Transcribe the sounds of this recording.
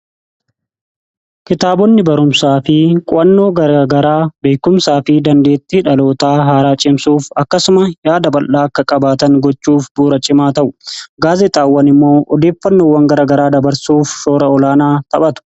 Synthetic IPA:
kɪt̪aːbɔnːɪbɐɾʊmsaːfɪkʼʊʔɐnːoːɡɐɾaɡɐɾaːbeːkʊmsaːfɪd̪ɐnd̪e̞ːt̪ːɪᶑɐlo̞ːt̪aːɦaːɾaːt͡ʃʼɪmsuːfɐkːɐsʊmɐjaːd̪ɐbɐlːaːɐkːɐkʼɐbaːt̪ɐŋɡɔt͡ʃːuːfbuːɾɐt͡ʃʼɪmaːt̪ɐʔʊɡaːzɪt̪ʼaːwːɐnɪmːo̞ːʔɔd̪e̞ːfːɐnːoːwːɐŋɡɐɾɐɡɐɾaːd̪ɐbɐɾsuːfsoːɾɐɔlaːnaːt̪ɐɓɐt̪ʊ̥

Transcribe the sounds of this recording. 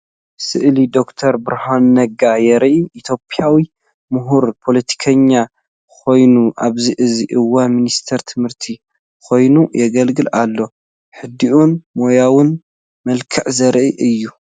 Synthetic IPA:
sɨʔlid̪o̞kt̪ʰɐɾbɨɾhanːɐɡajɛɾʔiʔit̪ʰjo̞pʰiawi | mʊɦuɾpʰo̞lɐt̪ʰi̥kʰɐɲːa | kʰo̞jnuʔaβziʔɨziʔɨwːaminist̪ʰɐɾt̪ʰɨmhɨɾt̪ʰi | kʰo̞jnujɛɡɐlɡɨlʔalːo̞ | ħɨd̪iʔunmojawʊn | mɐlkʰɐʕzɐɾʔiʔɨjːu

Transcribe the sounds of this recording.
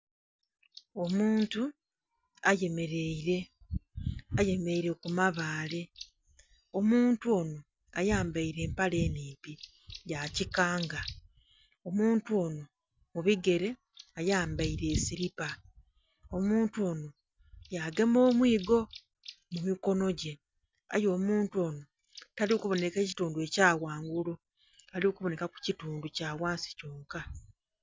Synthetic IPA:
o̞muːntu | aje̞meɾeiɾe | aje̞meeiɾe̞kumaβaːle | o̞muːntuo̞no̞ | ajaːmbaiɾe̞ːmpale̞ːniːmpi | jacikaːŋɡa | o̞muːntuo̞ːno̞ | muβiɡe̞ɾe̞ | ajaːmbaiɾe̞ːsiɾipa | omuːntuo̞ːno̞ | jaɡe̞mo̞ːmwiːɡo̞ | mumiko̞no̞ɟe̞ | a̰jo̞ːmuːntuo̞ːno̞ | taliukuβo̞ne̞ke̞ːci̥tuːndue̞caːwaːŋɡulo | aliukuβo̞ne̞kaku̥cituːnducaːwaːnsi̥coːŋka

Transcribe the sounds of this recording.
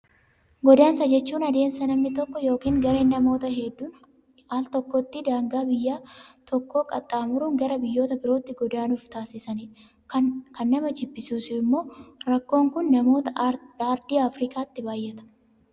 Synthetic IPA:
ɡɔd̪aːnsɐd͡ʒɛt͡ʃːuːnɐd̪e̞ːnsɐnɐmnɪt̪ɔkːɔjo̞ːkiːŋɡɐɾe̞ːnːɐmo̞ːt̪ɐɦɛd̪ːuːn | aːlt̪ɔkːɔt̪ːid̪aːŋɡaːbɪjːaːt̪ɔkːo̞ːkʼɐ̰t̪ʼːaːmʊɾuːŋɡɐɾɐbɪjːo̞ːt̪ɐbɪɾo̞ːt̪ːɪɡɔd̪aːnʊft̪aːsɪsɐnɪ | kɐnːɐmɐt͡ʃɪbːɪsuːsɪɪmːo̞ːɾɐkːo̞ːŋkʊnːɐmo̞ːt̪ɐaːɾd̪iːɐfɾiːkʼaːt̪ːɪbaːjːɛt̪ɐ̥

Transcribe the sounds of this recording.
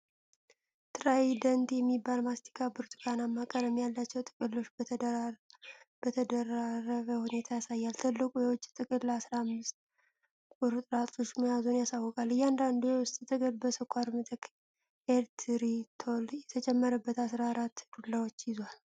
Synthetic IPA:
t̪ʰɨɾajd̪ənt̪jɛmːibːalmast̪ʰi̥kʰabɨɾt̪ʰʼɨ̥kʰanamːakʼələmːijalːat͡ʃːɛwt̪ʼɨ̥kʼɨlːo̞t͡ʃː | b̥ət̪ʰəd̪ərːaɾəβəhune̞t̪ʰajasajːalt̪ʰɨlːɨkʼujɛwɔt͡ʃʼːt̪ʼɨkʼɨlːasɾaːmːɨst̪̚ | bɨɾt̪ʼɾat̪ʼo̞t͡ʃːməjazunjasawːɔkʼalːɨjːɛand̪and̪ewʊst̪ʼt̪ʼɨkʼɨlbəsəkʷʰːaɾmɨt̪ʼɨk | eɾt̪ʰɾit̪ʰoljɛt̪ʰət͡ʃʼɛmːəɾəbːət̪asɾaɾat̪ːkulːawot͡ʃːjɪzwal

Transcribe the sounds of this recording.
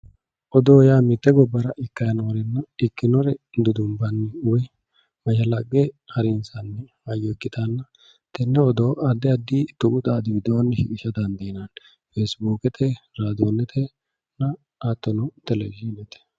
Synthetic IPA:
ʔɔd̪oːjaːmɪt̪ːɛɡɔbːɐɾɐʔɪkːɐjɐnoːɾɛnːɐɪkːɪnɔɾɛd̪ʊd̪ʊmbɐnːɛʊwɛ | mɐʃɐlɐɡːɛhɐɾɪnsɐnːɛhɐjːɔɛkːɪt̪ʰanːɐ | t̪ɛnːɛɔd̪oːʔɐd̪ːɪɐd̪ːit̪ʊkʊt̪ʼaːd̪ɪbɪd̪oːnːɛʃɪkʼɪʃɐd̪ɐnd̪ɐjnɐn | fesbuːkɛt̪ʰɛɾaːd̪onːɛt̪ʰɛ | nɐ | aːt̪ːɔnɔt̪ɛlɛvinɛt̪ɛ̥

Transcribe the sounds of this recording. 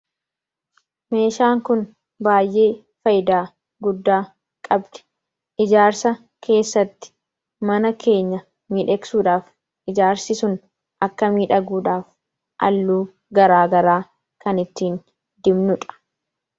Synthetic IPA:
me̞ːʃaːŋkʊn | baːjʔe̞ː | fɐjd̪aː | ɡʊd̪ːaː | kʼɐbd̪̥ɛ̥ | ʔɪd͡ʒaːɾsɐ | kʰe̞ːsːɐt̪ːɪ̥ | mɐnɐkʰe̞ːɲːɐ | miːᶑɛksuːᶑaːf | ʔɪd͡ʒaːɾsɪsʊn | ʔɐkːɐmiːᶑɐɡuːᶑaːf | ʔɐ̰lːuː | ɡɐɾaːɡɐɾaː | kɐnɪt̪ːiːn | d̪ɪmnʊᶑ̪ɐ̥

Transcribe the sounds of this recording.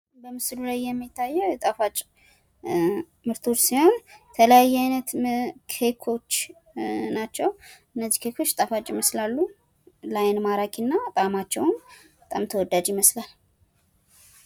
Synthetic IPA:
bəmɨslulajːɛmːit̪ʰːajːɛwjɛt̪ʼafat͡ʃʼ | mɨɾt̪ʰot͡ʃːsiho̞nt̪ʰələjajːɛajnət̪kʰe̞kʰo̞t͡ʃː | nat͡ʃːɛwʔɨnːəzːi̥kʰekʰo̞t͡ʃːt̪ʼafat͡ʃʼiməslalːu | lajnmaɾakʼinːat̪ʼamat͡ʃːɛwnbət̪ʼamt̪ʰəwɔd̪ːad͡ʒiməslal

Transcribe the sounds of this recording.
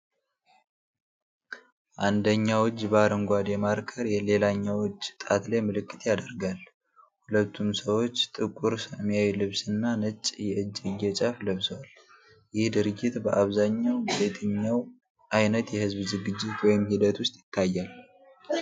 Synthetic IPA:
ʔand̪əɲːawɔd͡ʒːbaɾəŋɡʷad̪jɛmaɾkʰəɾjɛle̞laɲːawɔt͡ʃʼːt̪ʼat̪lemɨlɨkʼːɨ̥t̪jad̪əɾɡal | hulət̪ːumsəwo̞t͡ʃːt̪ʼɨkʼːuɾsəmijajlɨβsɨnːanət͡ʃʼːjɛɨd͡ʒːɨjːɛt͡ʃʼafləβsəwal | jɪhd̪ɨɾɨɡːɪt̪bəʔaβzaɲːawbet̪ʰɨɲːaw | ʔajnət̪jɛhɨzbzɨɡɨd͡ʒːɪt̪wɔjɪmhid̪ət̪ʰwʊst̪ʼjɪt̪ʰːajːal

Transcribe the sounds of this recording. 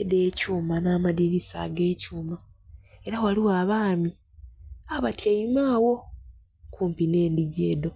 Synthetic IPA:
edeːcuːmanaːmadiɾisa̰ɡe̞ːcuːmae̞ɾawaliwaːβaːmi | aβatjaimaːwo̞ | kuːmpineːndiɟe̞ːdo̞

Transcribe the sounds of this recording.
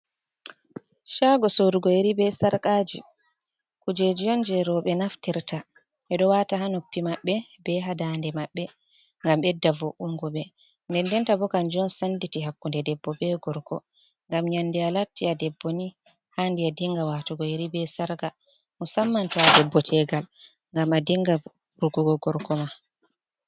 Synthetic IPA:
ʃaɡɔsoɾuɡɔeɾibɛsaɾkʼad͡ʒi | kud͡ʒed͡ʒijɔnd͡ʒɛɾɔɓɛnaftiɾtʰa | ʔɛɗɔwataɦanopːimaɓːɛbɛɦadandɛmaɓːɛ | ŋɡambɛdːavoʔumɡɔɓɛ | ndɛndɛntabɔkand͡ʒiɔnsanditiɦakːundɛdɛbːɔbɛɡɔɾkɔ̰ | ŋɡamɲandialatːiadɛbːoni | handiadiŋɡawaːtuɡɔjeɾibɛsaɾɡa | musamːantɔadɛbːɔtʰɛɡal | ŋɡamadiŋɡa | ɾuɡuɡɔɡɔɾkɔma

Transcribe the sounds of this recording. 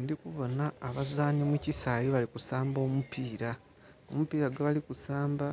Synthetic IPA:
ndikuβo̞naːβazaːnimwucisaːliβalikusaːmbo̞ːmupʰiːɾa | omupiːɾaɡaβalikusaːmba

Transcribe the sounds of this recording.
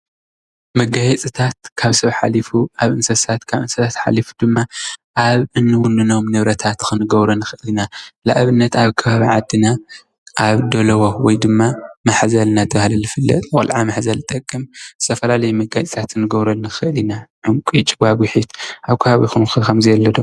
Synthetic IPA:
mɐɡajɛt͡sʼit̪ʰat̪̚kʰaβsɐβħalifuaβʔɨnsɐsat̪kʰaβʔɨnsɐsʰat̪ħa̰lifu̥d̪ɨmːaʔaβʔɨnːɨwʊnɨnomnɨβɾɐt̪ʰat̪kɨnɨɡɐβɾɐnɨxɨʔɨlinala̰ʔβɨnːɐt̪aβkʰɨβaβiʕad̪ːɨna | ʔaβd̪olɐwowɔjd̪ɨmːamaħzɐlnat̪ʰɐβahlɐlːɨfɨlːɐ̰t̪ʼɨkʼɐlʕamaħzɐlt̪ʼɐkʼːɨmz̥ɨ̥t̪ʰɐfɐlalɐjimɐɡajt͡sʼit̪ʰat̪ɨnːɨɡɐβɾɐnɨxɨʔɨlinaʕʊŋkʷʼit͡ʃʼbaβwʊħit̪ʔaβkʰɨβaβixunxɨkɐmzɨɛlːɐd̪o

